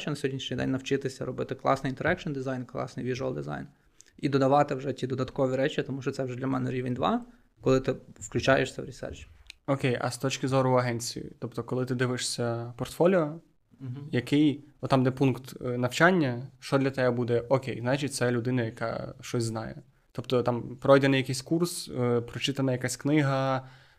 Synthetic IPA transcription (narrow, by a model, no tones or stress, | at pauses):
t͡ʃɔnɐsʲɔdʲnʲiʃnʲijd̪ɛ̰nʲnɐwt͡ʃɪt̪ɪsʲɐɾɔbɪt̪ɪklˠɑ̰snɪjint̪eɾɛkʃɔnd̪ɪzɑjnklˠɑ̰snɨjʋʲiʒʊɐlˠd̪ɪzɑ̰jn | id̪ɔd̪ɐʋɑt̪ɪwʒɛtʲid̪ɔd̪ɐt̪kɔʋʲiɾɛt͡ʃʲit̪ɔmuʃt͡ʃɔt̪ɛwʒɛd̪lʲɐmɛnɛɾʲiʋenʲd̪ʋɑ̰ | kɔlˠɪt̪ɪwklʲʉt͡ʃɑjeɛ̰ʃsʲɐwɾʲisɛ̰rt͡ʃɪ̥ɔkʲejʔɐ̰st̪ɔt͡ʃkɪzɔɾʊɐɦɛnʲt͡sʲijḭt̪ɔpt̪ɔkɔlˠɪt̪ɪd̪ɪʋɪʂsʲɐpɔrt̪fɔlʲiɔ | jɐkɪjɔt̪ɑmd̪ɛpunkt̪nɐwt͡ʃanʲːɐʃt͡ʃɔd̪lʲɐt̪ɛɛbud̪ɛʔɔkʲejznɑt͡ʃitʲt̪sɛlʲʊd̪ɪnɐjɐkɑ̰ʃt͡ʃɔsʲznɑjɛ̰ | t̪ɔpt̪ɔt̪ɑmpɾɔjd̪ɛnɪjɐkɪjsʲkurspɾɔt͡ʃɪt̪ɐnɐjɐkasʲknɪɦɐ